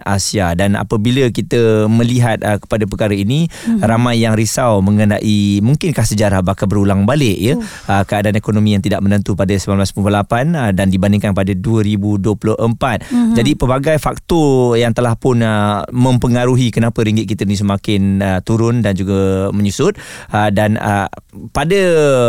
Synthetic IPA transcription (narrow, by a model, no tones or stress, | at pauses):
ʔasiadana̰pəbiləkit̪əməliɦat̪̚əkə̥padap̬əkaɾəiniɾamãjːaŋɾisawməŋəna̰ʔimuŋkɪnkahsəd͡ʒaɾahbahkabəɾulaŋbalɪʔjə | əkəadaanekonomĩjaŋt̪idaʔ̚mənənt̪upadəsəmbanblaspulpolapandandibanɪŋkanpadəduəɾibuduəpulʊʔəmpat̪̚d͡ʒadipəbaɡajfak̚t̪ɔjaŋt̪əlahpʊnəmə̃mpəŋaɾuɦikənapəɾiŋɡɪt̪̚kit̪əinĩs̬əmakɪnət̪uɾʊndand͡ʒuɡəməɲusʊt̪̚ədanə̰padə